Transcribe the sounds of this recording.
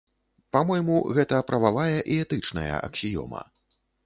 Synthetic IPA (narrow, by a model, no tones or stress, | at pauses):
pamɔjmuɣɛt̪ɐpɾʔɐvavajɐʔiɛt̪ɨt͡ʂnɐ̰jɐ̰ʔɐ̰ksʲijɔ̰mɐ̰